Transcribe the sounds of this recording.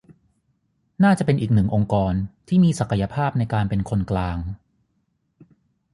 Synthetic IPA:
naː˥˩t͡ɕa˨˩pe˧nʔiː˨˩k̚nɯ˨˩ŋʔo˧ŋkɔː˧nt̪ʰiː˥˩miː˧sa˨˩ka˧ja˧pʰaː˥˩p̚na˧jkaː˧npe˧nkʰo˧nklaː˧ŋ

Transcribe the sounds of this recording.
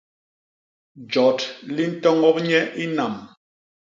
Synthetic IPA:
d͡ʒɔ˨˦tli˦n̩˦tɔ˦ŋɔ˦p̚ɲɛ˦ʔi˦na˨m

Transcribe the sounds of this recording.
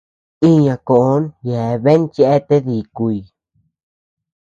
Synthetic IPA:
i˦ɲã˧ko˨ʔo˦nje˨˧βe˦nt͡ʃe˦ʔe˦t̪e˦ði˨ku˧i˧

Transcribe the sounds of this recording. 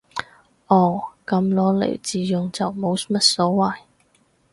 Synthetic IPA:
ʔɔː˨˩kɐ˧mlɔː˨˥lḛ˨˩t͡siː˨˧jʊ˨ŋt͡sɐ˨wmo˨˧˥wmɐ˥t̚sɔː˨˥wɐ˨j

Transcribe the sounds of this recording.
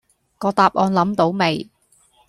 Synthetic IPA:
kɔː˨˧t̪aː˨p̚ʔɔː˧nlɐ˨˥mt̪o˨˥wme˨˩j

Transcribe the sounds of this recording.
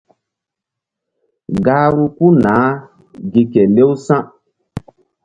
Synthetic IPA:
ɡaː˦ɾu˦ku˦naː˨˦ | ɡi˨kɛ˨le˦wsã˦

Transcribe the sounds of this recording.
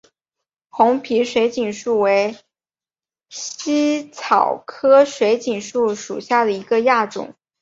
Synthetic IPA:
xʊ˧˥ŋpʰi˧˥ʂwe˧˥ɪt͡ɕi˨˩nʂu˥˩we˧˥ɪ | ɕi˥t͡sʰɑ˨˩ʊkʰɤ˥ʂwe˧˥ɪt͡ɕi˨˩nʂu˥˩ʂṵ˨˩ɕja˥˩d̪ə˩i˧˥ɡə˧ja˥˩ʈ͡ʂʊ̰˨˩˦ŋ

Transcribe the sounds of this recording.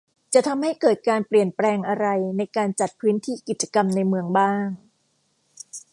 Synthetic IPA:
t͡ɕa˨˩ʔt̪ʰa˧mha˥˩jkɤː˨˩t̪̚kaː˧npli˨˩ənplɛː˧ŋʔa˧ɾa˧jna˧jkaː˧nt͡ɕa˨˩t̪̚pʰɯː˦˥nt̪ʰiː˥˩ki˨˩t̪̚t͡ɕa˧ka˧mna˧jmɯ˧əŋbaː˥˩ŋ

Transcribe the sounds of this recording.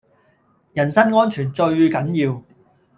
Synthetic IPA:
jɐ˨˩nsɐ˥nŋɔː˥nt͡ʃʰyː˨˩nt͡ʃɵ˧ɥkɐ˨˥njiː˧w

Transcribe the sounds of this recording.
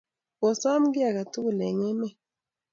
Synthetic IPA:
wɔ˨sɔ˦mɡɪ˦a˨ka˨tu˦˨lɛ˨ŋɛ˦mɛ˦

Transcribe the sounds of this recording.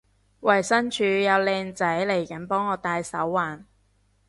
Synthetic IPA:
wɐ˨˩jsɐ˥nt͡ʃʰyː˨˧jɐ˨˧wlɛː˧ŋt͡sɐ˨˥jle˨˩jkɐ˨˥npɔː˥ŋɔː˨˧t̪aː˧jsɐ˨˥wːaː˨n

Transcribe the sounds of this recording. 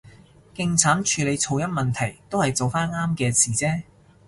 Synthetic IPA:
kɪ˨ŋt͡sʰaː˨˥nt͡ʃʰyː˨˧le˨˧jt͡sʰo˨˧wjɐ˥mɐ˨˩nt̪ʰɐ˨˩jt̪o˥whɐ˨jt͡so˨wfaː˥naː˥mkɛː˧siː˨˩t͡sɛː˥

